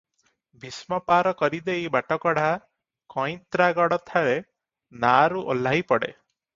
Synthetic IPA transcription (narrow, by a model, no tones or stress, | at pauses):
bʱismɔpaɾɔkɔɾid̪ejbaʈɔkɔɽ̤a | kɔ̃j̃t̪ɾaɡɔɽɔt̪ʰaɾe | naɾuʔo̰lːajpɔɽḛ